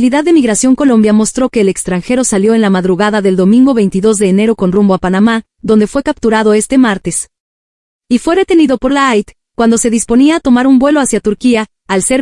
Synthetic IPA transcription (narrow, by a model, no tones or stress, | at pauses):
liðaðːe̞miɣɾasjo̞ŋko̞lo̞mbjamo̞st̪ɾo̞ke̞ːlekst̪ɾaŋxe̞ɾo̞saljo̞enlamaðɾuɣaðaðe̞ld̪o̞mĩŋɡo̞βe̞jnt̪iðo̞zðe̞ːne̞ɾo̞ko̞nrumbo̞apanama | ðo̞nd̪e̞fwe̞kap̚t̪uɾaðo̞e̞st̪e̞maɾt̪e̞s | ifwe̞ðe̞t̪e̞niðopo̞ɾlaajt̪ | kwand̪o̞se̞ðispo̞niaːt̪o̞maɾumbwe̞lo̞asjat̪uɾkiaː | lse̞ɾ